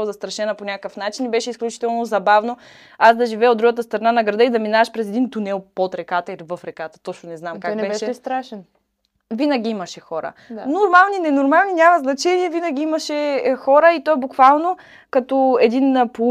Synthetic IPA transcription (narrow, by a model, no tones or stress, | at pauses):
zɐst̪ɾɐʃɛnɐponʲakkəfnat͡ʃinibɛʃɛisklʲut͡ʃi̥t̪ɛlˠnozɐbavno | aszd̪ɐʒivɛod̪d̪ɾuɡət̪əst̪ɾɐnanɐɡɾɐd̪ɤid̪ɐminavɐʃpɾɛzɛd̪int̪unɛlˠpot̪ɾɛkat̪əilivəfɾɛkat̪ə̥t̪ɔt͡ʃnonɛznamkaknbɛbɛʃɛɛst̪ɾaʃɛn | vinəɡ̟ʲiimɐʃɛxɔɾə̰d̪anoɾmalˠninɛnoɾmalˠninʲamɐznɐt͡ʃɛniɛvinəɡʲiiməʃɛxɔɾəit̪ɔɛbukvalˠno | kɐt̪ɔɛd̪inpo